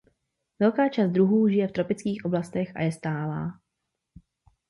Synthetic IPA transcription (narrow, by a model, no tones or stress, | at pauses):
vɛlkaːt͡ʃaːst̪̚d̪ɾuɦuːʒɪjɛft̪ɾo̞pɪt͡skiːxʔo̞blast̪ɛxʔa̰jɛst̪aːla̰ː